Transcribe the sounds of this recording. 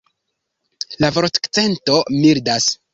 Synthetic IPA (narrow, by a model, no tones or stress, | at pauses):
lavoɾtkt͡se̞nto̞miɾdas